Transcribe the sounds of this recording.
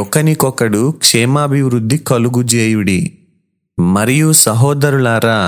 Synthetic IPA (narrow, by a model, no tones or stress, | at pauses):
ɔkɐnikɔkɐɽukʂɛːmaːbʱiʋɾud̪ʱːikɐluɡud͡ʒeːjuɽi | mɐɾɛjusɐɦɔːd̪ɐɾuɭaːɾa